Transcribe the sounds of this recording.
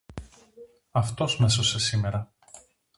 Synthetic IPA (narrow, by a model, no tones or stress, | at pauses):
ɐft̪o̞sme̞sose̞sime̞ɾɐ